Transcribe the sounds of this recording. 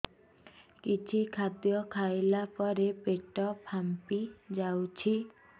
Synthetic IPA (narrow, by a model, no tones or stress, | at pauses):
kit͡ʃʰikʰad̪jɔkʰajlapɔɾepeʈɔpʰampid͡ʒawt͡ʃʰi